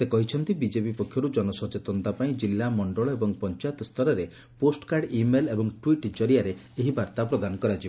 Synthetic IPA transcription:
sekɔɦit͡ʃʰɔnt̪ibid͡ʒepipɔkʰjɔɾud͡ʒɔnɔsɔt͡ʃet̪ɔnt̪apaĩd͡ʒilːamɔɳɖɔɭɔebɔŋpɔnt͡ʃajɔt̪ɔst̪ʰɔɾɔɾe | posʈɔ̥kaɾɖimelebɔŋʈwiʈd͡ʒɔɾiaɾe | eɦibaɾt̪apɾɔd̪anɔkɔɾad͡ʒibɔ

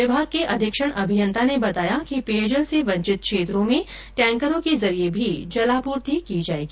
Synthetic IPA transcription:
ɪbʱaːɡ̚keʔɐd̪ʱɪkʃəɽ̃ɐbʱɪjə̃nt̪ʰanebɐt̪aːjakiped͡ʒəlseʋɐ̃ɲt͡ʃɪt̪̚kʰʃeːt̪ɾõmẽ | ʈɛ̃ːŋkəɾõkezɐɾiebʱid͡ʒɐlaːpuːɾt̪ʰikid͡ʒaːeːɡiː

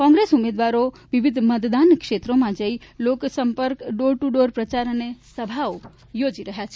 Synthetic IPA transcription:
kɔ̃ŋɡɾesumed̪ʋaɾo | ʋiʋid̪ʱmət̪d̪ankʃet̪ɾomãd͡ʒəiloksəmpəɾkɖoɾʈuɖoɾpɾət͡ʃaɾənesəbʱao | jod͡ʒiɾəɦjat͡ʃʰe

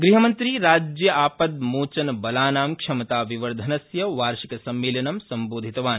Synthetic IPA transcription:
ɡɾiɦɐmɐnt̪ɾiːɾaːd͡ʒjɐʔaːpɐd̪̚moːt͡ʃɐnɐbɐlaːnaːmkʂɐmɐt̪aːʋiʋɐɾd̪ʱɐnɐsjɐʋaːɾʃikɐsɐmːeːlɐnɐmsɐmboːd̪ʱit̪ɐʋaːn

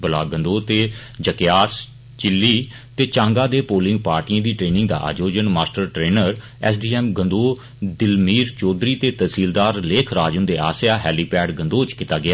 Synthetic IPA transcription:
bəla̰ːɡə̃nd̪oːt̪eː | d͡ʒəkɪjaːs | t͡ʃɪlːiː | t̪eːt͡ʃãːŋɡaːd̪eːpoːlɪ̃ŋɡ̚paːɾʈiːə̃ãːd̪iːʈɾeːnɪ̃ŋɡ̚d̪a̰ːʔa̰ːd͡ʒoːd͡ʒənmaːsʈəɾʈɾeːnəɾ | ɛːsɖiːɛːmɡənd̪oː | d̪ɪlmiːɾt͡ʃoːd̪ɾiːt̪eːt̪əsiːld̪aːɾleːkʰɾaːd͡ʒənd̪eːa̰ːsjaːɦɛːliːpɛːɖɡənd̪oːt͡ʃkɪt̪aːɡɪjaː

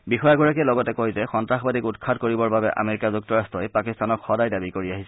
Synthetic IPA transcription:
bixɔjaɡɔɹakɛlɔɡɔtɛkojzɛxɔntɹaxɔbadikutkʰadkoɹibɔɹbabɛʔa̰meɹikazuk̚tɔɹastɔjpakistanɔkxɔdajdabikoɹiaɦisɛ

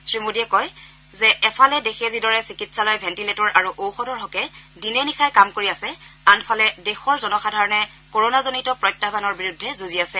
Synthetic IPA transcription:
sɹimodiɛkɔj | zɛʔɛpʰalɛdexezidɔɹɛsikitsalɔjbʱɛntiletɔɹʔaɹuʔowxɔdɔɹɦɔkɛdinɛnixajkamkoɹiasɛanpʰalɛdexɔɹzɔnɔxadʱaɹɔnɛ | koɹonazonitɔpɹɔjtːabʱanɔɹbiɹudʱːɛzuziasɛ

